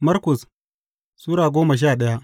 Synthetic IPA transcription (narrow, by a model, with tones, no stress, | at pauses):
mɐ˦rkʊ˨s | suː˦ɽaː˨ɡʷoː˦mɐ˨ʃ̬aː˦˨ɗɐ˦ja˦ʔ